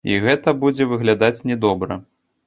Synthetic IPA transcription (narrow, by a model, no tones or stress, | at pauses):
iɣɛt̪ɐbud͡zʲɛvɨɣlʲad̪at͡sʲnʲɛd̪ɔbɾɐ̰